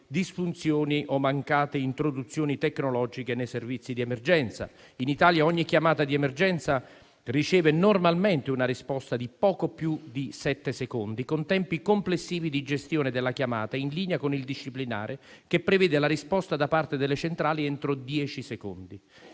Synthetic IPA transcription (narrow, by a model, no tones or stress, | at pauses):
d̪isfunt̪sjoːniʔɔmːaŋkaːt̪eint̪ɾod̪ut̪sːjoːnit̪ekːnolɔːd͡ʒikenejservit̪sːid̪iɛmerd͡ʒɛnt̪sa̰ | init̪aːljaɔɲːikːjamaːt̪ad̪iɛmerd͡ʒɛnt̪sa | rit͡ʃɛːvenormalment̪eunaɾispɔst̪ad̪ipɔːkopjud̪isɛt̪ːesekond̪ikont̪ɛmpikomplesːiːvid̪id͡ʒest̪joːned̪elːakjamaːt̪ainliːneakonild̪iʃːiplina̰ːɾʔe | k̟epːɾevɛːd̪elaɾispɔst̪ad̪apart̪ed̪elːet͡ʃent̪ɾaːliɛnt̪ɾod̪jɛːt͡ʃisekond̪i